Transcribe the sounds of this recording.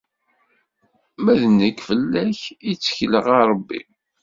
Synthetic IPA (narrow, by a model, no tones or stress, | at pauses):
mæðənːəkːfəlːæçit͡sːçləʁɑɾˤəbːḭ